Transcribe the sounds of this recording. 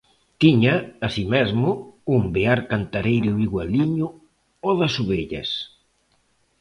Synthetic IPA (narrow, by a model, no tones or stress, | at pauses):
t̪iɲɐːsimezmʊumbeaɾkant̪aɾejɾʊiɣwaliɲʊ | ɔðɐsuβeʎɐ̰s